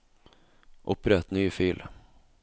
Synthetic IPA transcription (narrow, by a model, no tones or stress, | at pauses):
ʔʊpːɾɛt̪nyːfyːl